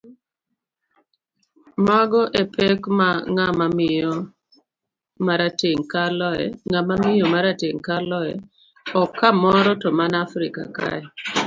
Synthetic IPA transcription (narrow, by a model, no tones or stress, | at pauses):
maɡɔʔepʰekmaŋamamɪɔ | maɾateŋkalɔɛ̰ŋamamɪjomaɾateŋkalɔɛ̰ | ɔkʰːamɔɾɔtɔmanafɾɪka̰ka̰ɛ